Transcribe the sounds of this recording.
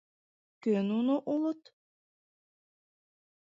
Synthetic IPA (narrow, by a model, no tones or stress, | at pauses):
kønunuʔulˠut̪